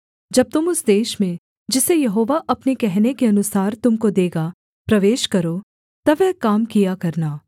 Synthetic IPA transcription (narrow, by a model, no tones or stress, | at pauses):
d͡ʒɐb̚t̪ʊmʊsd̪eːʃmẽ | d͡ʒɪsejɐɦoːʋaʔɐpnekɛɦnekeɐnʊsaːɾt̪ʊmkod̪eːɡa | pɾɐʋeːʃkɐɾo | t̪ɐʋɛːkaːmkijakɐɾnaː